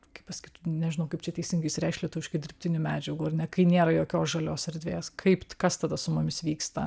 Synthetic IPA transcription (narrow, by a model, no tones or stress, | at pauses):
kʲɐɪpɐsʲkʲit̪unʲɛʒʲɪnɐʊkɐɪpt͡ʃʲɛt̪ʲɛɪsʲɪŋɡɐɪɪsʲɾʲɛɪʃlʲiɛt̪ʊʋʲɪʃkʲɪd̪ʲɪɾʲrpʲt̪ʲɪnʲʊmʲæːd͡ʒʲɛɡuːɐrnʲɛkɐɪnʲeːɾɐjoːkʲoːsʒɐlʲoːsɛɾʲd̪ʲʋʲeːskʰɐɪpkɐst̪ɐd̪ɐsʊmʊmʲɪsʋʲiːkst̪ɐ